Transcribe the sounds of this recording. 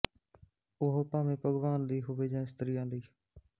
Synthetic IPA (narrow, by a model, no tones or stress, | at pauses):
ʊɦoːpaːmẽːpəɡʋaːnd̪iːɦʊʋeːd͡ʒãːɪst̪ɾiːãːnd̪iː